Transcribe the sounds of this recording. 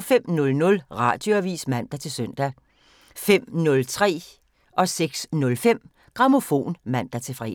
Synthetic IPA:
fem̰nɔ̽lnɔ̽lʁɑ̈d̥jo̝æʋḭːsmæn̰d̥æt͡sʰe̝lsœn̰d̥æ | fem̰nɔ̽lt͡sʰʁɛ̰ː | ʔɒ̽seɡ̥snɔ̽lfem̰ | ɡ̥ʁɑ̈mo̝fo̝̰ːnmæn̰d̥æt͡sʰe̝fʁɛ̰

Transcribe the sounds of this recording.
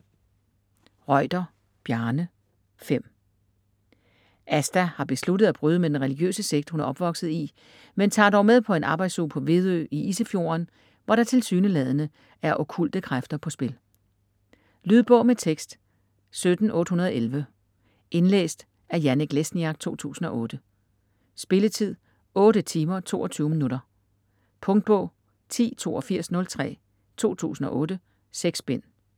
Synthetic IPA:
ʁɒɪ̰d̥ɐ | b̥jæɐnə | fem̰ | ʔæsd̥æhɑ̈b̥e̝slud̥ð̩ˠæb̥ʁyːð̞ˠəmed̥enʁɛliɡ̥jø̰ːsəseɡ̥d̥hunæɐʔɒ̽b̥ʋɒ̽ɡ̥sð̞̩ˠi | ment͡sʰɑ̰̈ːd̥ɒʊ̰með̞ˠpʰɒ̽e̝nʔɑ̈ːb̥ɑ̈ɪ̥soːpʰɒ̽ʋe̝ðˠø̰ːiʔisəfjo̝̰ːɐn | ʋɒɾ̥ɑ̈t͡sʰe̝lsyːnəlɛðˠənə | æɐʔo̽kʰul̰d̥əkʰʁafd̥ɐpʰɒ̽sb̥e̝l | lyð̞ˠb̥ɔ̽ʊmet͡sʰeɡ̥sd̥ | sød̥n̩ɔ̽ːd̥əhunɐð̞ˠelʋə | ʔe̝nlḛːsd̥ | æɐjæneɡ̥lesnjɑ̈ɡ̥̚t͡sʰo̝̰ːt͡sʰṵːsn̩ɒ̽ʔɔ̽ːd̥ə | sb̥e̝lət͡sʰið̞̰ˠ | ɔ̽ːɾət͡sʰiːmɐt͡sʰo̝̰ːɒt͡sʰyːʊəminuɾɐ | pʰɔ̽ŋd̥̚b̥ɔ̽ʊ̰ | t͡sʰḭːt͡sʰo̝̰ːɒ̽fiɐ̰snɔ̽lt͡sʰʁɛ̰ː | t͡sʰo̝̰ːt͡sʰṵːsn̩ɒ̽ʔɔ̽ːɾə | seɡ̥sb̥en̰

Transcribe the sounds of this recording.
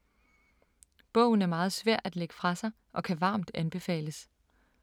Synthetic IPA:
b̥ɔ̰̽ʊn̩æɐmɑ̈ːð̞̩ˠsʋæɐ̰̥æd̥le̝ɡ̥ə̥fʁɑ̈sɑ̈ɪ | ʔɒ̽kʰæʋɑ̈ːmd̥ænb̥e̝fɛ̰ːləs

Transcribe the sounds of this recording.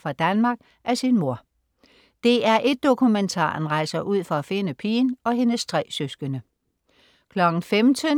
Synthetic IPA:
fʁɑ̈d̥ænmɑ̈ːɡ̥ | ʔæsinmo̝ɐ | d̥e̝æɐʔe̝d̥̚ːo̝kʰument͡sʰɑ̰̈ːnʁɑ̈ɪ̰sɐʔuð̞̰ˠfɒ̽æfe̝nəpʰiːnɒ̽ɦe̝nəst͡sʰʁɛːsøsɡ̥ənə | kʰlɒ̽ɡ̥n̩femd̥ʰən

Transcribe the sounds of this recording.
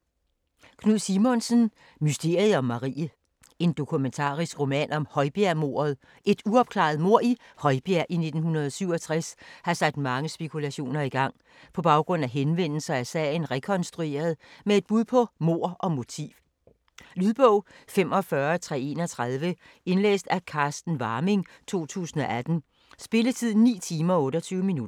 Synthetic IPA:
kʰnuð̰ˠsimɔ̽nsən | mysd̥e̝ɐ̰iɒ̽mːɑ̈ʁḭːə | e̝nd̥o̝kʰument͡sʰɑ̰̈ːʁisɡ̥ʁo̝mɛ̰nɒ̽mhɒ̽ɪb̥æɐmo̝̰ːɐðˠ | ʔe̝d̥uɒ̽b̥kʰlɑ̰̈ð̞̩ˠmo̝ɐ̰ihɒ̽ɪb̥æɐʔine̝d̥n̩ɦunɐðˠɒsyʊ̰ɒ̽t͡sʰʁɛshɑ̈sæ̥d̥mɑ̈ŋəsb̥e̝kʰulæɕo̝̰ːnɐiɡ̥ɑ̈ŋ̰ | pʰɒ̽b̥ɑ̈ʊɡ̥ʁɔ̽n̰æɦenʋen̰l̩sɐæsɛ̰ɪn̩ʁɛkʰɒ̽nsd̥ʁue̝̰ːɐð̞ˠmee̝d̥̚b̥uð̞ˠpʰɒ̽mo̝ɐ̰ʔɒ̽mo̝t͡sʰḭːʋ | lyðˠb̥ɔʊ̰fem̰ɒ̽fɶɐt͡sʰʁɛe̝nɒ̽t͡sʰʁɑðˠʋə | e̝nlḛːsd̥ækʰɑ̈ːsd̥n̩ʋɑ̈ːme̝ŋt͡sʰo̝̰ːt͡sʰṵːsn̩ɒ̽ʔæd̥n̩ | sb̥e̝lət͡sʰið̰ˠn̩nːḭːt͡sʰiːmɐɒɔ̽ːɾɒ̽t͡sʰyːʊəminud̥ɐ

